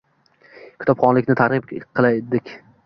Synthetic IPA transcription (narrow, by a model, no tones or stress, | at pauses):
kʲʰɪt̪ɒpχɒnlɪkʲnɪt̪ʰaɾʁɨpqʰɨlˠaed̪ɪkʲ